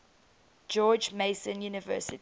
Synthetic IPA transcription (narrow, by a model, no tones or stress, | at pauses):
d͡ʒɔːd͡ʒmeɪsə̃njuːnɪvɜːˑsɪt